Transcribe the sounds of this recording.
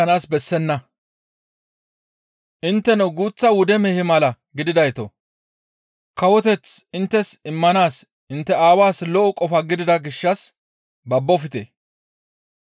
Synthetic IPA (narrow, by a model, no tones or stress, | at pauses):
ɐnaːsbɛsːɛnːɐ | ʔɪnt̪ːɛnɔɡuːt͡sːɐwʊd̪ɛmɛhɪmɐlɐ | ɡɪd̪ɪd̪ɐjt̪ɔ | kɐwɔt̪ɛt͡sɪnt̪ːɛsɪmːɐnaːs | ɪnt̪ːɛaːwaːslɔʔɔkʼɔfɐɡɪd̪ɪd̪ɐɡɪʃːɐs | bɐbːɔfɪt̪ḛ